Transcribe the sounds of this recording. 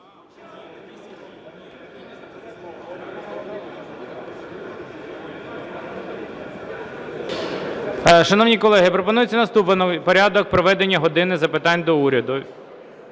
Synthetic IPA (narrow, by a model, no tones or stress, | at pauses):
ʃɐnɔwnʲikɔlˠɛɦɪpɾɔpɔnujet͡sʲːɐnɐst̪upnɔpɔɾʲad̪ɔk̚pɾɔʋɛd̪enʲːɐɦɔd̪ɪnɪzɐpɪt̪ɑnʲd̪ɔuɾʲɐd̪ʊ